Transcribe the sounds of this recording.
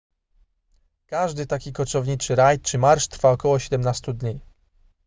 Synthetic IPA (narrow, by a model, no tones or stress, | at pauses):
kaʐd̪ɘt̪akʲikɔt͡ʂɔvɲit͡ʂɘɾajt͡ʂɘmaɾʂt̪ɾfaɔkɔwɔɕɛd̪ɛmnast̪ud̪ɲi